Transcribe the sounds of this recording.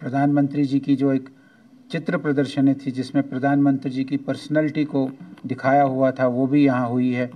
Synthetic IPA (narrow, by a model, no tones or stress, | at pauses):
pɾɐd̪ʱaːnmə̃nt̪ɾid͡ʒiːkid͡ʒoːeːk | t͡ʃɪt̪ɾəpɾɐd̪əɾʃənẽt̪ʰid͡ʒɪsmẽpɾɐd̪ʱaːnmə̃nt̪ɾid͡ʒiːkipɐɾsnɛːlɪʈikod̪ɪkʰaːjaɦuat̪ʰaʋobʱijɐɦãɦʊiɦɛː